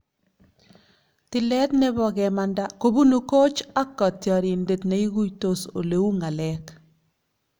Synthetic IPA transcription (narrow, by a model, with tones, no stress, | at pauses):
tɪ˨lɛ˦t̪nɛ˦bɔ˨ɣɛ˨ma˨nda˦ko˦bu˦nu˦ko˦t͡ʃa˦kːɔ˨tjɔ˨ɾi˨nde˨tne˨˦i˦ɣu˦jto˦so̰˨le˨u˦ŋa˨lɛk